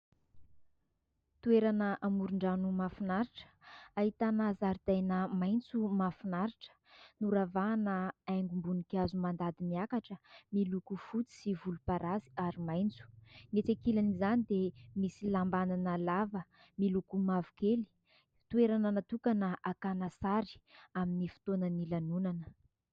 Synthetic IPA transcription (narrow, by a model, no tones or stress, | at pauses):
t̪ueɾanəʔamuɾuɳɖ͡ʐanumafinaɾiʈ͡ʂə̥aɦit̪anazaɾid̪̥ajnəmajnt͡sumafinaɾiʈ͡ʂə̥nuɾavanəajŋɡumbunikazumand̪ad̪imiakaʈ͡ʂəmilukufut͡si̥sivulupaɾʔazi̥aɾimajnt͡su̥net͡sakilanizanid̪emisilambananəlavə | milukumavu̥keli̥ | t̪ueɾanənat̪ukanəʔakanasaɾi̥aminifu̥t̪onənilanunanə